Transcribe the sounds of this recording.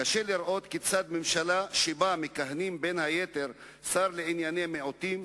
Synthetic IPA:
kaʃeliɾʔo̞t̪kit͡sad̪memʃalaʃebamekaɦnimbe̞nhajet̪e̞ɾ | saɾleʕinjanemeot̪im

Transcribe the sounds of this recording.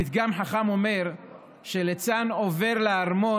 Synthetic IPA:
it̪ɡamħaχamo̞me̞ʁ | ʃelet͡sanove̞ʁleaʁmo

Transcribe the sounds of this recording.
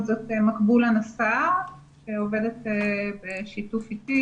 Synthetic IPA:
zotemakbulanasaʃeove̞detebeʃitufiti

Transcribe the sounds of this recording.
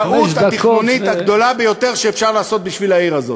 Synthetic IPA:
ut̪hat̪iχonit̪haɡd̪o̞labejo̞t̪e̞ʁʃeːfʃaʁlaːso̞t̪̚biʃvilaiʁazo̞

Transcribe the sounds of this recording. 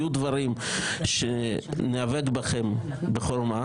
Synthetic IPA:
jud̪vaɾimʃeneaveɡbaχem | beχoɾma

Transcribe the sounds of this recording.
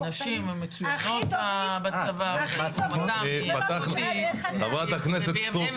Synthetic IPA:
naʃimemːet͡sujaχot̪babat͡savavat͡samapat̪aχiavat̪akneset̪̚pt̪o

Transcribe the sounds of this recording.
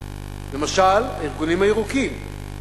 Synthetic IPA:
le̞maʃalaiʁɡunimhaeʁukim

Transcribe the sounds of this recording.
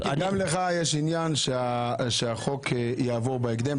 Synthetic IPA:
adamleχajeʃinjanʃeaʃeaχo̞kʰjaːvoʁbeeɡd̪em

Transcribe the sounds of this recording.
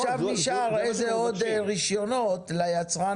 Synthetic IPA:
ʃavniʃaʁejzeod̪ʁiʃjonot̪lajat͡sʁa

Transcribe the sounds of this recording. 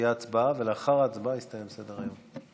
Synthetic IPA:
jat͡sbaveleaχaʁat͡sbajist̪ajemsed̪eʁajom

